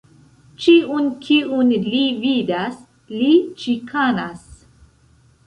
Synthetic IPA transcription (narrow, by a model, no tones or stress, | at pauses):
t͡ʃiunkʰiʔunlividas | lit͡ʃikʰanas